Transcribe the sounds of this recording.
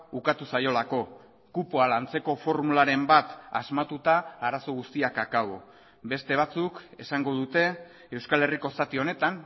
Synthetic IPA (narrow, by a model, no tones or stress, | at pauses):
ukat̪usajo̞lako̞ | kupoalant͡se̞ko̞fo̞ɾmulaɾe̞mbat̪azmat̪ut̪aːɾaso̞ɣust̪iakakaβo | be̞st̪e̞β̞at͡sukesaŋɡo̞ðut̪e̞ː | wskale̞riko̞sat̪io̞ne̞t̪an